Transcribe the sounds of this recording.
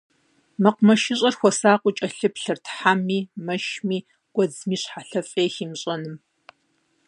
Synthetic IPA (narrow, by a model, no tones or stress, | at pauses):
mɐqʷmɐʃɪɕʼɐrxʷɔsaːqʷʼʊt͡ʃʼɐɬɨpɬɨrtʰħamːiːmɐʃmiː | ɡ̥ʷɔd͡zmiːɕħaɬɐfʼeːxiːmɕʼɐnɨm